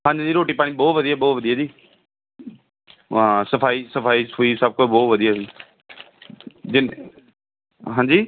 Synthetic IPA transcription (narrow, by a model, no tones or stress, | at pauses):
ɦãːɲd͡ʑd͡ʑiːɾoːʈiːpaːɽĩɓɔːʋəd̪iaboːʋəd̪ʱiːaːd͡ʒiː | ãsəfaːisəfaːiʊisab̚koboːʋəd̪ʱiːaːiː | d͡ʒɪn | ɦãːɲd͡ʑiː